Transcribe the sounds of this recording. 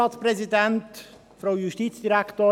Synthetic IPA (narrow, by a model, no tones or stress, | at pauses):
ɑːt̪spɾɛzidænt | fɾoʊjuʃtiːt͡sd̥iɾækʰtoː